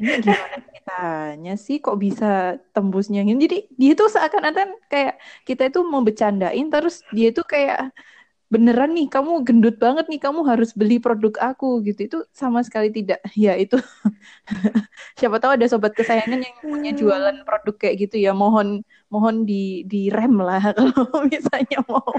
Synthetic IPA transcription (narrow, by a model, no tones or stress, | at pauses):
niɡimanakit̪aɲasɪhkɔʔbisat̪əmbʊsɲaŋɪnd͡ʒadidiait̪usaʔakanat̪ankajaʔkit̪ait̪uməbət͡ʃanda̰ʔɪnt̪əɾʊsdiait̪ukaja̰ʔ | bənəɾanːɪhkamuɡəndʊt̪̚baŋət̪̚nɪhkamuɦaɾʊsbəlipɾodʊkakuɡit̪uit̪usamasə̥kalit̪idaʔjait̪u | siapat̪auadasobat̪̚kəsajaŋanjaŋpuɲad͡ʒualanpɾodʊkːajaʔɡit̪ujamoɦɔn | moɦɔndidiɾɛmlahkalomisalɲamao